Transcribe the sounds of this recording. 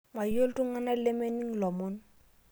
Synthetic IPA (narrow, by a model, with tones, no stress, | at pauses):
mwa˨jo˦ltu˦ŋa˦na˦le˦me˦ni˦ŋlɔ˨mɔ˦n